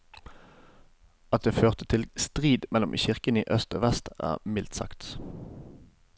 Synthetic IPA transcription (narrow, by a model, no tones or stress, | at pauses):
ɑt̪̚d̪eːføːʁt̪ət̪ʰɪlst̪ʁiːd̪mɛlʊmçɪʁkəniːʔœst̪o̰ːʋɛst̪æ̰ːʁmɪlt̪sɑ̰kt̪